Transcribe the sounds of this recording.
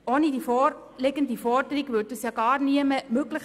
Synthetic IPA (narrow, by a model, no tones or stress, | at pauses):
oːnidiːfɔ | lɪɡəndifɔrdəɾiɡvʏɾt̚d̥yːsjɑːɡɑːɾniəməmøɡləχ